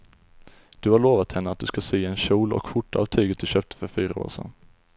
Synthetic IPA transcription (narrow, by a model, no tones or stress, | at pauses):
d̪̥ɵhaɾɭoːvat̪hɛnːəat̪̚d̪ɵskaseːɛnɕuːlɔ̰kfʊʈːaːvt̪ʰyːɡət̪̚d̪ɵɕøːp̚t̪ʰə̥fœɾfyːɾao̰ːɾʂɛ̰n